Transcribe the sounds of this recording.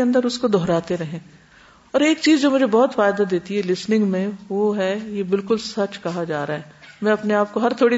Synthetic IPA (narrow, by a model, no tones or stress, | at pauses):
eɐ̃nd̪əɾʊskod̪ʱɔːɾaːt̪eɾɛɦẽː | ɔːɾeːkt͡ʃiːzd͡ʒoːmʊd͡ʒʱebɔɦʊt̪faːjd̪ad̪eːt̪iɦɛlɪsnɪ̃ŋɡmẽʋoɦɛjebɪlkʊlsɐt͡ʃkɐɦad͡ʒaːɾaɦɛːmɛ̃ɐpneaːp̚koɦɐɾt̪ʰoːɽi